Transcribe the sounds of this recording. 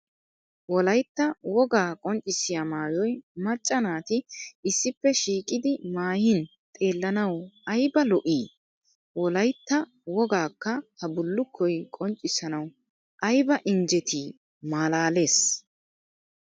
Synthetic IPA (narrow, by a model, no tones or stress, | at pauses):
wɔlɐjt̪ːɐwɔɡaːkʼɔnt͡ʃʼːɪsɪjamaːjɔjmɐt͡ʃʼːɐnaːt̪ɪɪsːɪpːɛʃiːkʼɪd̪ɪmaːjɪn | t̪ʼe̞ːlːɐnɐwɐjbɐlɔʔiː | wɔlɐjt̪ːɐ | wɔɡaːkːɐhɐbʊlːʊkʰːɔjkʼɔnt͡ʃʼːɪsɐnɐw | ʔɐjbɐʔɪnd͡ʒɛt̪ʰiː | maːlaːle̞ːs